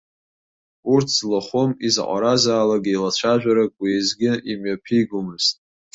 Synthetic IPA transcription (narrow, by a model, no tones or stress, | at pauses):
urtʰzlaχʷomizqʷʼa̰ɾazaːlaɡʲilat͡ʃʷʰaʒᶣaɾakʼwizɡʲɪimɥapʰiɡʷʊmɨztʼ